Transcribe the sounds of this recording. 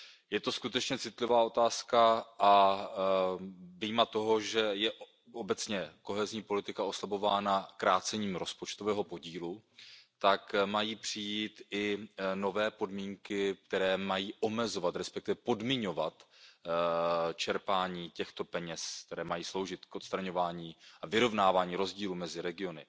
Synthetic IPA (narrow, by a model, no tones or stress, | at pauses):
jɛt̪o̞skut̪ɛt͡ʃɲɛt͡sɪt̪lɪvaːʔo̞t̪aːskaʔa | vijmat̪o̞ɦo̞ʒɛjɛʔ | ʔo̞bɛt͡sɲɛko̞ɦɛzɲiːpo̞lɪt̪ɪkao̞slabo̞vaːnakɾaːt͡sɛɲiːmɾo̞spot͡ʃt̪o̞vɛːɦo̞po̞ɟiːlut̪akmajiːpr̝̥ɪjiːt̪ʔɪno̞vɛːpo̞dmiːŋkɪk̚t̪ɛɾɛːmajiːʔo̞mɛzo̞vat̪ɾɛspɛk̚t̪ɪvɛpo̞dmɪɲo̞vat̪ | t͡ʃɛɾpaːɲiːcɛxt̪o̞pɛɲɛsk̚t̪ɛɾɛːmajiːslo̞wʒɪt̪kʔo̞t̪st̪ɾaɲo̞vaːɲiːʔavɪɾo̞vnaːvaːɲiːɾo̞zɟiːlumɛzɪɾɛɡɪo̞nɪ̰